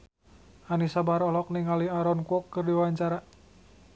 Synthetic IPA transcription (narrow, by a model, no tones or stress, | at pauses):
ʔanisabaɾɔlɔk̚niŋaliaɾɔnkuɔkːɨrdiwawaɲt͡ʃaɾa